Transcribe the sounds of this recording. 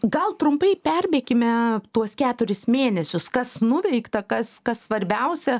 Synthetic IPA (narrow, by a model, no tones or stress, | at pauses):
ɡɐlˠt̪ɾʊmpɐɪpʲɛrʲbʲeːkʲɪmʲɛt̪uɔskʲæːt̪ʊɾʲɪsmʲeːnʲɛsʲʊskɐsnʊʋʲɛɪkt̪ɐkɐskɐssʋɐɾʲbʲɛʊsʲɛ